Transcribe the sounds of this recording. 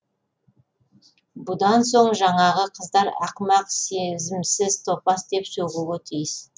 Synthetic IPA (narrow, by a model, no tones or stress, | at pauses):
bʊd̪ɑnso̞ɴʒɑɴɑʁəqʰəzd̪ɑɾɑ̰qmɑqsezɪmsɪzt̪ʰopɑsd̪e̞psoʁuət̪ʰijɪs